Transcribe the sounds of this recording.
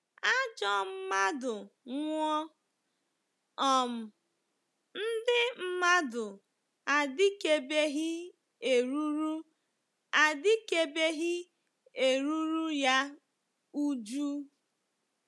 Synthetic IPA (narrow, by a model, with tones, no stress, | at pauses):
a˦d͡ʒɔ˦m̩˦ma˦dʊ˨ŋʷɔ˦ | ɔ˨m̩˨ | n̩˦dɪ˦m̩˦ma˦dʊ˨ | a˨dɪ˦ke˨be˦ɦɪ˦ | e˨ɾu˦ɾu˦ | a˨dɪ˦ke˨be˦ɦɪ˦ | e˨ɾu˦ɾu˦ja˦ | u˦d͡ʒu˦